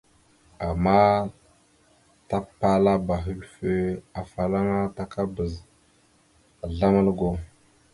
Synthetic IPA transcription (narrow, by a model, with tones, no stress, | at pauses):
a˨mːa˦ | ta˦pa˦la˦ba˨ɦə˦ɾfə˦a˨fa˨la˦ŋa˦ta˦ka˦bə˨z | a˨ɮa˦ma˦lɡo˨